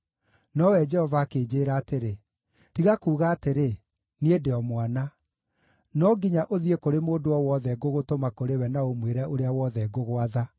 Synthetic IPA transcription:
nɔwɛd͡ʒɛhɔvaːkeːd͡ʑeːɾaːteɾe | tiɣakuːɣaːteɾe | niedeɔmwana | nɔɡiɲaʔoðiekoɾemoːdoɔwɔðɛɡoɣotomakoɾewɛnaomweɾɛʔoɾeawɔðɛɡoɣoaða

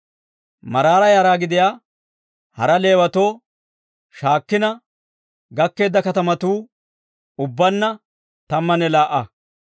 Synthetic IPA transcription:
mɐɾaːɾɐjɐːɾaːɡɪd̪ɪjaː | hɐɾɐle̞ːwɐt̪o̞ː | ʃaːkːɪnɐ | ɡɐkːe̞ːd̪ːɐkɐt̪ɐmɐt̪uː | ʊbːɐnːɐ | t̪ɐmːɐnɛlaːʔɐ

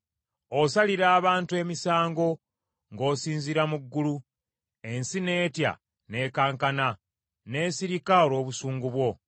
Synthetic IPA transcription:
osaliɾaːβaːntue̞misaːŋɡo̞ | ŋɡo̞ːsiːnziɾamuɡːulu | e̞nsine̞ːtja̰ | ne̞ːkaːŋkana | ne̞ːsiɾikaolo̞ːβusuːŋɡuβwo̞

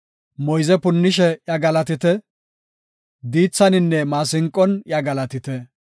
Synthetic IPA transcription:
mɔjzɛpʊnːɪʃɛjɐɡɐlɐt̪ɪt̪ɛ | d̪iːt͡sːɐnɪnːɛmaːs̬ɪŋkʼːɔnjɐɡɐlɐt̪ɪt̪ɛ

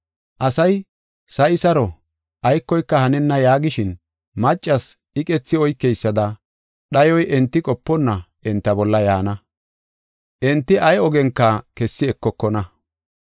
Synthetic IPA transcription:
ʔɐsɐj | sɐjɪsɐɾɔ | ʔɐjkːɔjkːɐhɐnɛnːɐjaːɡɪʃɪn | mɐt͡ʃʼːɐs | ɪkʼɛt͡sːɪɔjkːɛjsːɐd̪ɐ | ɗɐjɔjʔɛnt̪ːɪkʼɔpːɔnːɐʔɛnt̪ːɐbɔlːɐjaːnɐ | ʔɛnt̪ːɪʔɐjɔɡɛŋkːɐkɛsːɪɛkːɔkːɔnɐ

